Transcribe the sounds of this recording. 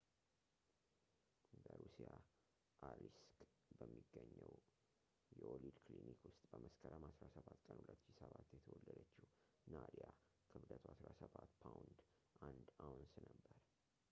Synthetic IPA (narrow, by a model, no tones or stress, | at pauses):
ɡəɾusija | ʔalisk | bəmːiɡːəɲːəw | jɛʔolid̪kʰlinikwʊst̪ʼbəməskʰəɾəmasɾasəβat̪kʼənhulət̪ːʃisəβat̪ːjɛt̪ʰəwɔlːəd̪ət͡ʃːu | nad̪ija | kʰɨβd̪ət̪ʰasɾasəβat̪pʰawnd̪ | ʔand̪awnsnəbːəɾ